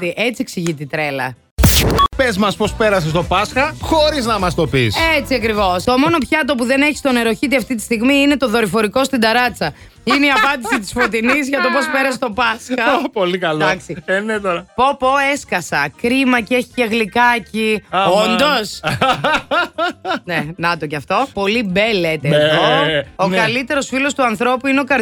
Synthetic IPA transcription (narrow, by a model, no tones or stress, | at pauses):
t̪iʔe̞t͡sieksiʝit̪it̪ɾe̞lɐ̰ | pezmɐspo̞spe̞ɾɐsest̪o̞pɐsxɐxo̞ɾiznɐmɐst̪o̞piset͡siɐkɾivo̞st̪o̞mo̞no̞pçɐt̪̬opuðe̞ne̞çi̥st̪o̞neɾo̞çit̪̬iɐft̪it̪i̥st̪iɣmiine̞t̪o̞ðo̞ɾifo̞ɾiko̞st̪ind̪ɐɾɐt͡sɐ | ineiɐpɐnd̪isit̪i̥sfo̞t̪inizʝɐt̪o̞po̞spe̞ɾɐsst̪o̞pɐsɐpolikɐldɐksinet̪oɾɐpo̞po̞e̞skɐsɐkɾimɐcie̞çi̥ceɣlikɐciond̪o̞s | nenɐt̪oceɐft̪o̞po̞libe̞let̪eðookɐlit̪e̞ɾo̞sfilo̞st̪uɐnθɾo̞puineo̞kɐɾ